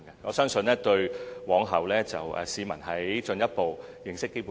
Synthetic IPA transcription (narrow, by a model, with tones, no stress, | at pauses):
ŋɡɛ˧ŋɔː˨˧sœː˥ŋsɵ˧nlɛː˥t̪ɵ˧ɥwɔː˨˥ŋɦɐ˨˩wlɛː˥t͡sɐ̰˨wʔɛ̰ː˨siː˨˧mɐ̰˨˩nɦɐ˨˥jt͡ʃɵ˧njɐ˥t̚po˨w | jɪ˨ŋsɪ˥kːe˥jpu˨